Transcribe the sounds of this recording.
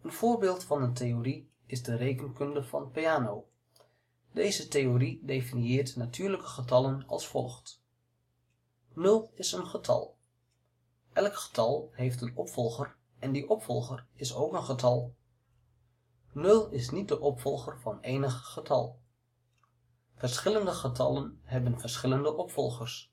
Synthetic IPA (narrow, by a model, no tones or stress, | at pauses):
ənv̥ʊːɹbɪːlˠtfɑnəntejori | ɪzdərejkənkɵndəv̥ɑ̰npiaːnow | dejzətejoridejfɪniɪːrtnatʰyːɹləkə̥χətɑlənɑ̰lˠsfɔ̰lˠχt | nɵlˠɪsənχətʰɑ̰lˠ | ʔɛlˠkχə̥tɑlˠɦejftənɔpfɔlˠχər | ɛndiʔɔpfɔlˠχərɪsowkənχətʰɑlˠ | nɵlˠɪsnit̚dəʔɔpfɔlˠχərvɑnejnəχːətʰɑ̰lˠ | v̥ərsχɪləndəχətʰɑlənɦɛbənvəɹsχɪləndəʔɔpfɔlˠχərs